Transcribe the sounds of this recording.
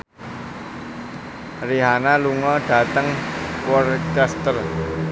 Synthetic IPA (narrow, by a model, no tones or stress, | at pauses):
riɦanaluŋɔɖ̥a̤t̪əŋkwɔrkast̪ər